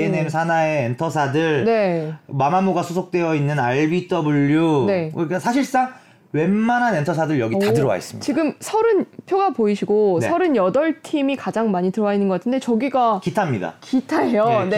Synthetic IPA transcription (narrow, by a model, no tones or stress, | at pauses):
enemsʰanae̞ːntʰʌsʰadɯɭne̞mamamoɡasʰosʰok̚t͈wejʌinːɯnaɭbit͈ʌbuʎːune̞kɯɾik͈asʰaɕ̬ʰiɭs͈aŋ | wenmanɦane̞ntʰʌsʰadɯɭjʌɡitadɯɾʌwa̰ḭs͈ɯ̥mḭt͡ɕiɡɯmsʰʌɾɯnpʰjoɡapoiɕʰiɡonsʰʌɾɯnjʌdʌɭtʰimikad͡ʑaŋmaɲitɯɾʌainːɯnɡʌk͈atʰɯnde̞t͡ɕʌɡiɡakitʰamɲida̰kitʰaejone